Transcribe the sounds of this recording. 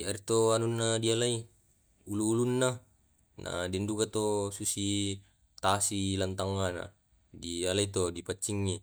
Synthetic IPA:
iaɾit̪oanunːadialai | uluːlunːa | na̰dindukat̪osusi | t̪asilant̪aŋːana̰ | dialait̪odipat͡ʃːiŋːi

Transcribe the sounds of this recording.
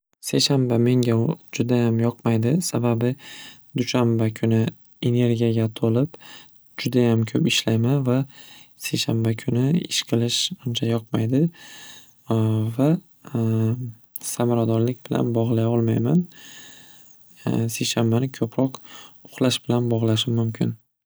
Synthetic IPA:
se̞jʃanbame̞ŋɡʲad͡ʒʊd̪ajamjɒqmajd̪ɪsababɪd̪ʊʃambakʲʰʊnɪ | e̞ne̞ɾɡʲijaɡʲat̪ʰolɪp | d͡ʒʊd̪ajamkʰɵpɪʃlajmanva | se̞jʃanbakʲʰʊnɪɪ̰ʃqʰɨlˠɪʃʊnt͡ʃʰajɒq̚majd̪ɪ | va | samaɾad̪ɒɾlɪkʲbɪla̰nbɒʁlˠajɒlˠmajman | se̞ʃanbanɪkʲʰɵpʰɾɒqʊ̥χlˠaʃb̥ɪlanbɒʁlˠaʃ̬ɪmʊmkʲʰɪn

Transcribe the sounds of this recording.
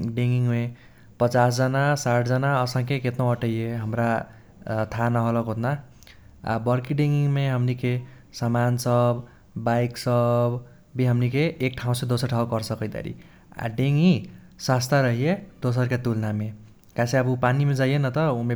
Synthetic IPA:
ɖeŋɡiŋɦme | pʌt͡sasd͡zʌnasaʈʰd͡zʌnaʌsãŋkeket̪nõʌʈʌjeɦʌmɾa | t̪ʰanʌɦolʌkɦot̪na | a̰bʌɾkiɖeŋɡiŋmeɦʌmnikʰe | samansʌb | bajksʌb | biɦʌmnikʰeːk̚ʈʰaw̃sed̪osʌɾʈʰaɦokʌɾsʰʌkʌjd̪a̰ɾḭ | a̰ɖeŋi | sast̪ʰaɾʌɦijed̪osʌɾkat̪ulname | kãsẽʌbupanimed͡zajenʌt̪ʌume

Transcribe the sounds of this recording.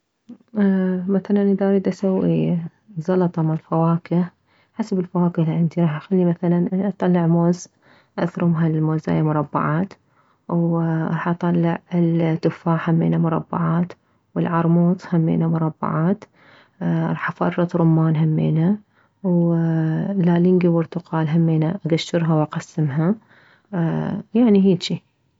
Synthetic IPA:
maθalanʔd̪ɑːɾˤid̪asawːi | zˤɑlɑt̪ˤɑmaʕlfawɑːkɪ | ħasabɪlfawaːkɪliʕɪnd̪iɾˤɑːħʔaxalːimaθalanʔɑt̪ˤːɑlːɪʕmoːz | ʔaθɾʊmɦalmoːza̰ːjamʊɾˤɑbːa̰ʕɑːt̪ | wʔɾˤɑːħʔɑt̪ˤɑlːɪʕɪlt̪ːʊfaːʕhamːḛːnamʊɾˤɑ̰bːɑ̰ʕɑːt̪ | wɪlʕɑɾˤmuːt̪ˤhamːḛːnamʊɾˤɑbːɑ̰ʕɑːt̪ | ɾˤɑːħafɑ̰rˤːɑt̪ɾˤʊmːaːnɦamːḛːna | w | lalɪŋɡibʊɾt̪ʊqɑːlɦamːeːnaʔaɡaʃːɪɾɦawʔaqɑsːɪmɦa | jaʕniɦeːʃi

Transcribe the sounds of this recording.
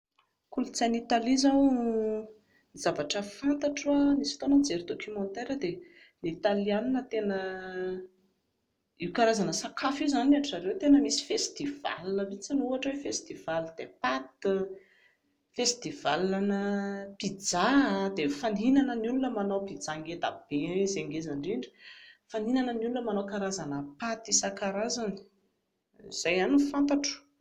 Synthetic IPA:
kulut͡sanit̪alizaw | nizavaʈ͡ʂəfant̪aʈ͡ʂwanisi̥t̪onənd͡zeɾid̪okymɔnt̪eɾəd̪e | nit̪alianinət̪enə | iwkaɾazanəsakʰafiwzanaʈ͡ʂaɾewet̪enəmisi̥fest̪iv̥a̰lunəmit͡sanuaʈ͡ʂwefest̪iv̥alid̪epat̪ | fest̪iva̰lanəpid͡zad̪efaninanənulunəmanowpid͡zaŋɡet̪a̰b̥ezeŋɡezaɳɖ͡ʐiɳɖ͡ʐi̥faninanənulunəmanowkaɾazanəpat̪isəkaɾazani̥ | iz̥ajanifant̪aʈ͡ʂu̥

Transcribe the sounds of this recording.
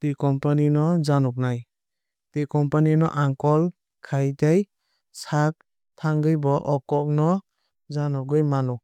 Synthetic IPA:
tikɔmpaninɔzanɔk̚naj | tikɔmpaninɔʔaŋkɔl | kʰajdaj | sak̚ | tʰaŋɡɯjbɔʔɔkɔk̚nɔ | zanɔɡɯjmanɔ

